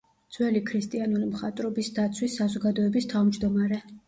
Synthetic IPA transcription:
d̪z̥wɛlikʰɾist̪ʼianɔɾimχat̪ʼɾɔbisd̪at̪sʰwisːazɔɡad̪ɔɛbist̪ʰavmd͡ʒd̪ɔmaɾɛ

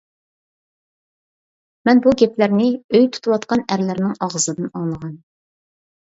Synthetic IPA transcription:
mɛnbuɡʲɛplæɾnɪøjt̪ʰu̥t̪ʰuwɑt̪qɑnæɾlæɾnɪŋɑʁəzɨd̪ɨnɑŋlˠəʁɑn

